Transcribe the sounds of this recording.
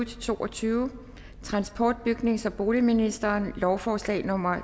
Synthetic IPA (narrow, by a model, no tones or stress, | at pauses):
d̥t͡sʰo̝̰ːʔɒ̽t͡sʰyːʊ | t͡sʰʁɑ̈nsb̥ʰɒ̰ːd̥̚b̥yɡ̥ne̝ŋsɒ̽b̥o̝ːliminisd̥ɐːnlɒʊfɒːslɛ̰ːnɔ̽m̰ɐ